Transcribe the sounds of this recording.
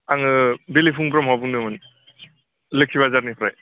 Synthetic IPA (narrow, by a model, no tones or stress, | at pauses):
aŋɯbelipʰuŋpɾɔmɦabuŋnɯmɯn | lekʰiβazaɾnipʰɾaj